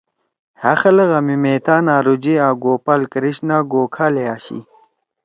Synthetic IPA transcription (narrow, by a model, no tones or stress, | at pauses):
hɐxɐlɐɣɐmimeːt̪aːnaːɾud͡ʑiaːɡoːpɐlkɾiɕnaːɡoːkʰaːleaːɕḭ